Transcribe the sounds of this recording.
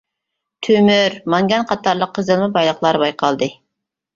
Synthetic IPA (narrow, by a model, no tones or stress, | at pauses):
t̪ʰymyɾmɑŋɡʲɑnqʰɑt̪ɑɾlˠəqʰːəzɨlˠmɨbɑjlˠəχlˠɑɾbɑjqʰɑlˠd̪ɨ